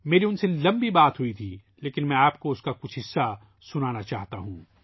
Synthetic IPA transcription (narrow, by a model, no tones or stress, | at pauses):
meːɾiʊnselɐ̃mbibaːt̪ɦuit̪ʰiː | leːkɪnmɛ̃aːpkoʊskakʊt͡ʃʰɦɪsːa | sʊnaːnat͡ʃaːɦt̪aɦũː